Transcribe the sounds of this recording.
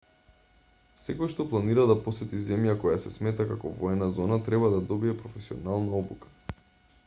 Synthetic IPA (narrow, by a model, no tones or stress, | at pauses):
sɛkojʃt̪ɔplˠaniɾad̪apɔsɛt̪izɛmjakɔjasɛsmɛt̪akakɔvɔɛnazɔnat̪ɾɛbad̪ad̪ɔbiɛpɾɔfɛsiɔnalˠnaɔbukḁ